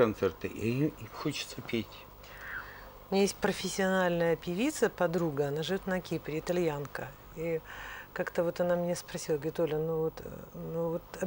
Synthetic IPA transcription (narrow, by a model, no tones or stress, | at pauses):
ɐnt̪sɛrt̪ɨʔixot͡ɕɪ̥t̪səpʲetʲ | mʲnʲajesʲt̚ʲpɾəfʲɪsʲːɪɐnalʲnəjəpʲɪvʲit̪səpɐd̪ɾuɡəɐnaʐɨvʲo̞t̪nɐkʲipɾʲɪɪt̪ɐlʲjankə | ikakt̪əvo̞t̪ɐnamnʲespɾɐsʲilˠəɡʲet̪olʲənuvot̪nuvot̪ɐ